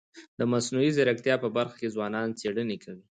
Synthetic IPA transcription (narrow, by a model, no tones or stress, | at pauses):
d̪əmasnuizaɾak̚t̪jɑpəbaɾxḁkezwɑnɑnt͡seɽənekʰawi